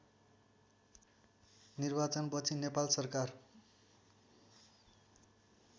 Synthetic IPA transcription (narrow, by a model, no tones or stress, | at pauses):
nirbat͡sʌnpʌt͡sʰinepalsʌrkar